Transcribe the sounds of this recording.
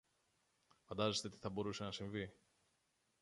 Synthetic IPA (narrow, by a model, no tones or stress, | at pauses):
fɐnd̪ɐze̞st̪e̞t̪i̥θɐbo̞ɾuse̞nɐsiɱvi